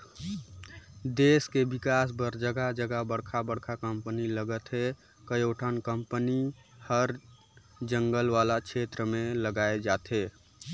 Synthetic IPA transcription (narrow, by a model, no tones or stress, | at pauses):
d̪eskebikasbəɾd͡ʒəɡad͡ʒəɡabəɽkʰabəɽkʰakəmpəniləɡət̪ɦe | kəjoʈʰankəmpəni | həɾ | d͡ʒəŋɡəlʋalakʰet̪ɾəmeləɡaed͡ʒat̪e